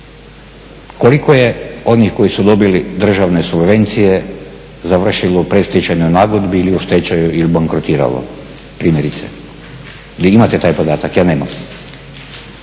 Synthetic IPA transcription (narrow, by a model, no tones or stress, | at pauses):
ko̞likoje̞o̞nixko̞jisud̪o̞bilid̪r̩ʒaʋne̞subʋe̞nt̪sije̞ | zaʋr̩ʃilopɾest̪et͡ɕaɲonaːɡod̪biiliust̪et͡ɕajuilibaŋkɾot̪iːɾa̰lo̰ | pɾiːmje̞ɾit̪sḛ | iliimat̪et̪aːjpo̞d̪aːt̪akjaːneːmam